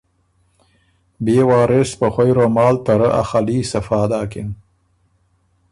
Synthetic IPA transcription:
beːwɑːɾɪspəxwajɾomɑːlt̪aɾəʔa̰xaliːsafɑːd̪ɑːkɪn

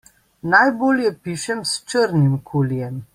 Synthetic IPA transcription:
najboːljɛpiːʃɛmst͡ʃəɾnimkʰuːljɛm

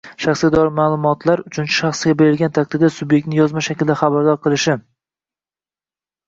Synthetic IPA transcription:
ʃɑχsɡʲad̪ɒɾɪmaːlˠʊmɒt̪ʰlaɾʊt͡ʃʰʊnt͡ʃʰɪ̥ʃɑχsɡʲabe̞ɾɪlɡʲant̪ʰakʲt̪d̪ɪɾd̪asʊbje̞k̚ʲt̪nɪjɒzmaʃakʲɪld̪aχɑbaɾd̪ɒɾqʰɨlˠɪʃɪ

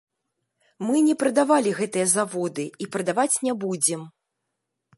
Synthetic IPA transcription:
mɨnʲɛpɾɐd̪avalʲiɣɛt̪ɨjɐzavɔd̪ɨipɾɐd̪avat͡sʲnʲɛbud͡zʲɛm

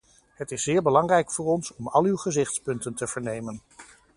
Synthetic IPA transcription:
ɦətɪsːɪːɹbəlɑŋrɛjkfʊːɹɔnsɔmɑ̰lˠywχəzɪχtspɵntəntəv̥əɹnejmən

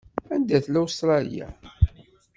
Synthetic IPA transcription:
ænd̪æθlawst̪ɾˤɑl̰jæ̰

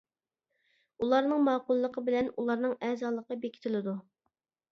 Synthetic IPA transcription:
ulˠɑɾnɨŋmɑːqʊlˠːəqʰəbɪlɛnulˠɑɾnɨŋɛzɑːlˠəqəbekʲʰi̥t̪ʰɪlɪd̪u

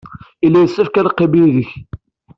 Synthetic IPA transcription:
ilːæjəsːæfkæɾqːebilðəç

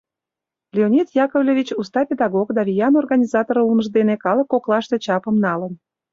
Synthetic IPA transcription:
lʲeonʲit̪jɑkovlʲevʲit͡ɕust̪ɑpʲed̪ɑɣokd̪ɑvʲijɑnorɣɑnʲizɑt̪oɾulməʒd̪enekɑləkːoklɑʃt̪et͡ɕɑpəmnɑlən

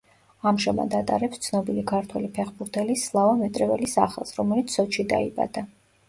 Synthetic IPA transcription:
amʒama̰d̪at̪ʼaɾɛpst̪sʰnɔbilikʰaɾt̪ʰwɛ̰lipʰɛχbuɾt̪ʰɛlislˠavamɛt̪ʼɾɛvɛlisa̰χɛ̰lˠsɾɔmɛlit̪sʰɔt͡ʃʰid̪a̰iba̰d̪̥a

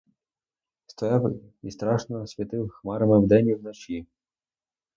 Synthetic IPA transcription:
st̪ɔjɑwist̪ɾɑʃnɔsʲʋʲit̪ɪwxmɑɾɐmɪwd̪ɛnʲiwnɔt͡ʃi

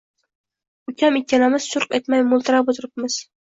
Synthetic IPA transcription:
ʊkʲʰamekʲʰːanamɪz̥ʃʊɾqet̪majmʊlˠt̪ɪɾapot̪ʰɪɾɪp̚mɪz̥

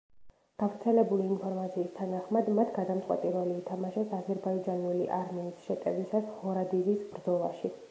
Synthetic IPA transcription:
ɡ̥avɾt̪sʰɛlɛbuliːnpʰɔɾmat̪sʰiːst̪ʰanaχmad̪mat̪ʰɡad̪amt̪sʼqʼwɛ̰t̪ʼiɾɛliːt̪ʰamaʃɛsazɛɾbaid͡ʒanulḭʔaɾmɛːsʃɛt̪ʼɛvisashɔɾad̪ivisbɾd̪zɔlˠa̰ʃi

